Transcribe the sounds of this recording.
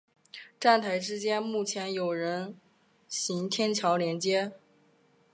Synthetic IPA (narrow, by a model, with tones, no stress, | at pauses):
ʈ͡ʂa˥˩nt̪ʰa˧˥ɪʈ͡ʂɻ̩˥t͡ɕjɛ˥nmu˥˩t͡ɕʰjɛ˧˥njo˨˩ʊɻə˧˥n | ɕi˧˥ŋt̪ʰjɛ˥nt͡ɕʰjɑ˧˥ʊljɛ˧˥nt͡ɕjɛ˥